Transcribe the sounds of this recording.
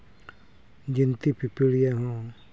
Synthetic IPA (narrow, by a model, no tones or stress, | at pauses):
d͡ʒint̪ipipiɽijaɦɔ̃